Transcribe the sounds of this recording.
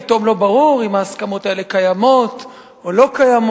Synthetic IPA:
ito̞mlo̞baʁuʁimaːskamo̞t̪ae̞lekajamo̞t̪ | olo̞kajam

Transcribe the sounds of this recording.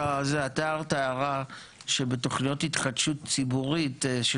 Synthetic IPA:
zeataːʁtaaʁa | ʃebeto̞χnijo̞thitχadʃutt͡sibuʁitʃe

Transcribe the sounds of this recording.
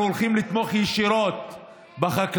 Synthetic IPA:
olχimlit̪moχjɛʃiɾot̪̚ | baχak

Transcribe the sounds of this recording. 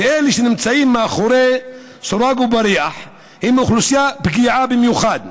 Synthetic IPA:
ʔeliʃnɪmt͡saʔiːmːaxuɾe | sʊɾˤɑɡubaɾijaħ | hɪmʊxlusjabɡiʕabɪmjuxaːd̪

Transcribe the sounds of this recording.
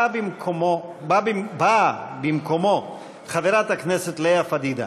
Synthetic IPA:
bimkʰomobabibabimkʰomo | xɐveɾat̪akneset̪leafɐd̪id̪a̰

